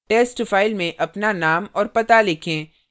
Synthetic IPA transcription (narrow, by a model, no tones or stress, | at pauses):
ʈeːsʈfaːɪlmẽʔɐpnanaːmɔːɾpɐt̪alɪkʰẽː